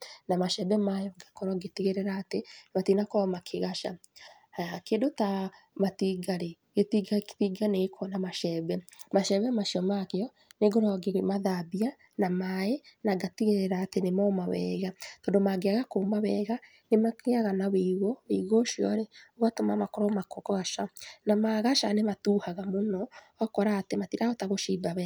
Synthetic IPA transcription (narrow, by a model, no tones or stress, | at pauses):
namaʃɛbɛmajɔɡakɔɾɔɡetiɣeɾɛɾaːtenematinakɔɾɔmakʰeɣaʃa̰ | aakeːndota | matiɡaɾe | ɡetiɡatiɡaneɣekʰɔnamaʃɛβɛmaʃɛβɛmaʃiɔmakeɔ | neɡoɾɔɡemaðabia | namaenaɡatiɣeɾɛɾaːtenemɔmaβɛ̰ːɣatɔːndomaɡeaɣakomaβɛɣa | nemakeaɣanaβeɣoβeiɣoʃjɔ̰ɾeoɣatomamakɔɾɔmakokɔɣaʃanamaɣaʃanematuhaɣamonɔ | ɔkɔɾaːtematiɾaɔtaɣoʃiːbaβɛ